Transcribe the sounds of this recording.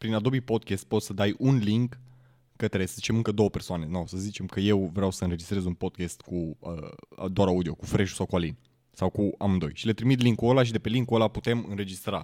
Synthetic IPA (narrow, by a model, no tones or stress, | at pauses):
pɾinad̪o̞bipo̞d̪̚kʲest̪̚po̞t̪səd̪ajʔunliŋkː | ət̪ɾesəzit͡ʃe̞mɨŋkəd̪o̞əpe̞rsoane̞nosəzit͡ʃe̞mkəje̞wvɾeawsəɨnɾe̞d͡ʒist̪ɾe̞zunpo̞d̪̚kʲest̪kuə̰d̪oaɾaud̪io̞kufɾeʃu̥sawkualin | sawkuamɨnd̪o̞jʃile̞t̪ɾimit̪liŋkːuolaʃ̬id̪e̞pe̞liŋkːuolaput̪e̞mɨnɾe̞d͡ʒist̪ɾa